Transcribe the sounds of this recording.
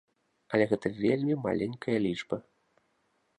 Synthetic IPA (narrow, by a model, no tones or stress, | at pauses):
ɐlʲɛɣɛt̪ɐvʲelʲmʲima̰lʲenʲkʰɐjɐlʲit͡ʂbɐ